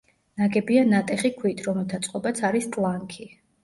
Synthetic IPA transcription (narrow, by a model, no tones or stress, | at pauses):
naɡɛbianat̪ʼɛχikʰwit̪ʰʼɾɔmɛlˠt̪ʰat̪sʼqʼɔbat̪sʰaɾist̪ʼlˠaŋkʰi